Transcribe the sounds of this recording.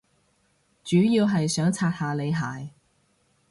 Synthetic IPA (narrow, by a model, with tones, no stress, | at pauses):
t͡ʃyː˨˥jiː˧wɦɐ˨jsœː˨˥ŋt͡sʰaː˧t̚haː˨˧le˨˧jɦaː˨˩j